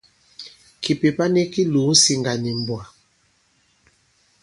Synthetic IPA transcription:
ki˨pe˨pa˦ni˦ki˦lu˨˦n̩˦si˨ŋɡa˨ni˨m˨bwa˨

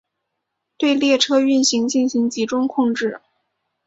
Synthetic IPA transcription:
t̪we˥˧ɪljɛ˥˩ʈ͡ʂʰɤ˥y˥˩nɕi˧˥ŋt͡ɕi˥˩nɕi˧˥ŋt͡ɕi˧˥ʈ͡ʂʊ˥ŋkʰʊ˥˧ŋʈ͡ʂɻ̩˥˩

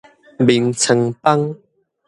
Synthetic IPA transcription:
bi˨˩ŋt͡sʰə˨˧ŋpa˦ŋ

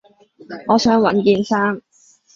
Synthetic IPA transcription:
ŋɔː˨˧sœː˨˥ŋwɐ˨˥nkiː˧nsaː˥ŋ

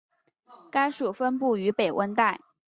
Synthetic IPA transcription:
ka˥ɪʂu˨˩fə˥npu˥˩y˧˥pe˨˩ɪwʔə˥nt̪a˥˩ɪ

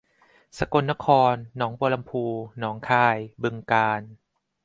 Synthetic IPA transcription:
sa˧ko˧nːa˦˥kʰɔː˧nːɔː˩˦ŋboː˧la˧mpʰuː˧nɔː˩˦ŋkʰaː˧˩jbɯ˧ŋkaː˧n

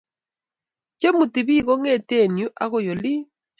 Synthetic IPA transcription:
t͡ʃɛ˦mu˨ti˨βi˦˨ɣɔ˦ŋɛ˦˨te˦˨nju˦ʔa˦ɣɔ˨jɔ˨li˦

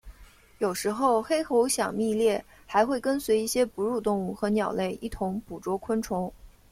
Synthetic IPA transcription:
jo˨˩ʊʂɻ̩˧˥xo˥˩ʊxe˥ɪxo˧˥ʊɕjɑ˨˩ŋmi˥˧ljɛ˥˩ | xa˧˥ɪxwe˥˩ɪkə˥nswe˧˥ɪi˥˩ɕjɛ˥pu˧˥ɻu˥˧t̪ʊ˥˧ŋu˥˩xɤ˧˥njɑ˨˩ʊle˥˩ɪʔi˥˩t̪ʰʊ˧˥ŋpu˨˩ʈ͡ʂwɔ˧˥kʰwə˥nʈ͡ʂʰʊ˧˥ŋ

